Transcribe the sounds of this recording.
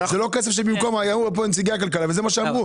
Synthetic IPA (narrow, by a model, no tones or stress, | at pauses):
zelokes̬e̞fʃ̬ebimko̞majamubep̬ont͡siɡaak̬alkalavezemaʃeavʁu